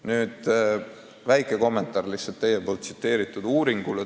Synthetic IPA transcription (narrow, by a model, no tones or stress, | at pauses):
nyːd̪̥ | væjkˑe̞ko̞mːe̞nt̪ːˑɑːrliselt̪ːejepolt̪̚si̥t̪ːe̞ːɾit̪ˑːud̪uːɾiŋɡ̥ule